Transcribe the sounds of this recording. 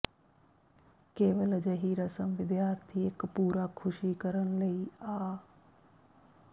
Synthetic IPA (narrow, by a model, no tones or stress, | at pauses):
keːʋəld͡ʒəɦiɾəsəmʋɪd̪jaːɾt̪ʰiekpuːɾakʰʊʃikəɾəñləiaː